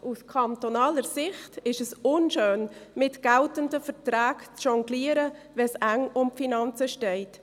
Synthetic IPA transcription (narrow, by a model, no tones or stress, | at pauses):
ʔuskʰɑntonɑːləɾsɪχtɪʃəsʊnʃøːnmɪtɡ̥æltəndəfəɾtɾæːkt͡sʃɔŋɡliːəɾəvɛsæŋʊmfinɑnt͡səʃtɛɪt